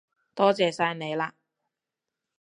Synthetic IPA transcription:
t̪ɔː˥t͡sɛː˨saː˧jne˨˧jlaː˧

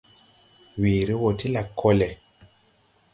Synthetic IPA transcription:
wi˨ɾi˦wo˨tʰi˦la˨kʰːo˦lɛ˨

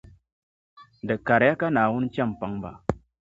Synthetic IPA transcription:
də˨ka˨ɾja˦ka˦na˨wu˦nt͡ʃa˦˨mpa˦ŋba̰˨

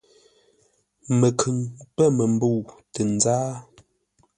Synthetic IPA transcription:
mə˨kʰʉ˨ŋpə˦˨mə˨m˦bu˦˨wtə˨n˦d͡zaː˦

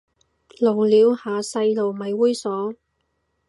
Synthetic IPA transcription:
lo˨˩wliː˨˧whaː˨sɐ˧jlo˨˩wmɐ˨jwuː˥jsɔː˨˥

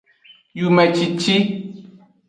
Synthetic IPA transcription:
ju˨mɛ̃˨t͡ʃi˨t͡ʃi˦

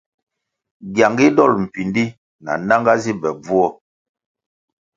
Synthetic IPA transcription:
ɡja˨ŋɡi˦dɔ˦˨lm̩˨pi˨ndi˦ | na̰˨na˦ŋɡa˦zi˦bɛ˨b͡vu˦ɔ˦

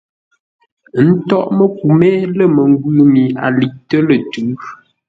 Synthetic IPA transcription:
n̩˦tɔ˦˨ʔmə˦k̚u˨mɛ˦lə˦˨mə˨ŋ˦ɡu˦mi˨a̰˨li˨ʔ̚tə˦lə˨tʉ˨˦

